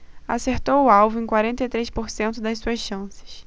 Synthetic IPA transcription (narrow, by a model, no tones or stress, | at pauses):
a̰seɾt̪owʊawvʊẽkwaɾẽnt̪ɐjt̪ɾejspoɾsẽnt̪ʊd̪ɐssuɐsʃɐ̃sɪ̥ʃ